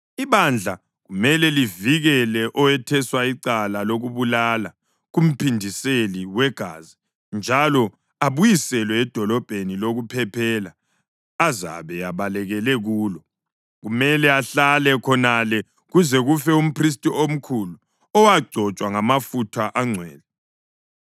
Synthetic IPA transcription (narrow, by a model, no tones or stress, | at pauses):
iβand͡ɮʱa | ɣumɛlɛliviɣɛlɛʔɔwɛtʰɛswaiǀalaloɣuβulala | ɣum̩pʰindʱiseliwɛɡ̥ʱa̰ːzi | nd͡ʒʱalɔ | aβujisɛlwɛːd̥ʱɔlɔb̥ʱeniloɣupʰɛpʰɛːla | aza̰βɛjaβalɛɣɛlɛɣuːlɔ | ɣumɛlɛaɬalɛkʰɔnalɛ | ɣuzɛɣufɛum̩pʰris̬tʼiom̩kʰulu | ɔwaɡ͡ǀʱɔt͡ʃʼwaŋamafutʰaʔaŋ͡ǀʱwɛ̰ːlɛ